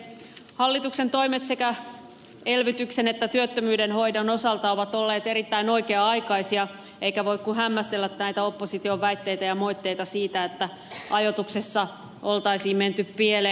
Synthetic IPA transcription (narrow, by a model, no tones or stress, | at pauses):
hɑlːit̪uksent̪o̞imet̪sekæ | elʋit̪yksenet̪ːæt̪yøt̪ːømyːdenho̞idɑnosɑlt̪ɑoʋɑt̪olːeːt̪eɾit̪ːæino̞ikeɑɑikɑisiɑ | eikæʋoikkuhæmːæst̪elːæt̪næit̪æo̞pːosit̪ioʋæit̪ːeit̪æjɑmoit̪ːejt̪ɑsiːt̪æet̪ːæ | ʔɑjot̪uksesːɑ | olt̪ɑisiːmment̪yppiele